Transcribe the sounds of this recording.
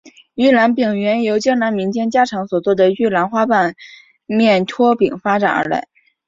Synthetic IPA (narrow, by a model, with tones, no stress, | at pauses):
ɥy˥˩la˧˥npi˨˩ŋɥɛ˧˥njo˧˥ʊt͡ɕjɑ˥ŋna˧˥nmi˧˥ŋt͡ɕjɛ˥nt͡ɕja˥ʈ͡ʂʰɑ˧˥ŋswɔ˨˩t͡swɔ˥˩d̪ə˩ɥy˥˩la˧˥nxwa˥pa˥˩n | mjɛ˥˩nt̪ʰwɔ˥pi˨˩˦ŋfa˥ʈ͡ʂa̰˨˩nə̰˞˧˥la̰˧˥ɪ